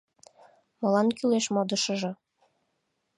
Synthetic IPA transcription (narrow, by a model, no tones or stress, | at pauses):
mŏlɑnkyleʃmod̪əʃɤ̆ʒɤ̆